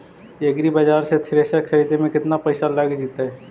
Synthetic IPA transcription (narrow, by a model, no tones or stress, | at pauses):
eɡɾibɐd͡ʒaːɾset̪ʰɪɾeːsakʰɐɾiːd̪emẽkɪt̪napɐɪsalaːɡed͡ʒiːt̪aɦɛː